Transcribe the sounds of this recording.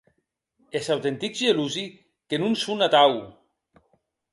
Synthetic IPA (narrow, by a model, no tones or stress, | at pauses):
esawt̪ent̪ikzeluzi | kenunsunat̪aw